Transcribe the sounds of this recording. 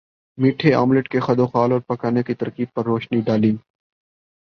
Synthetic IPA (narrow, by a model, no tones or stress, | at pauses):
miːʈʰea̰ːmlɪʈkexɐd̪oːxaːlɔːɾpɐkaːnekit̪ɐɾkiːb̚pɐɾːoːʃniɖaːlĩː